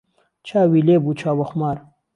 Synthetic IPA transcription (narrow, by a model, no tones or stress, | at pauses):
t͡ʃʰaːwileːbut͡ʃʰaːwɐxmaːɾ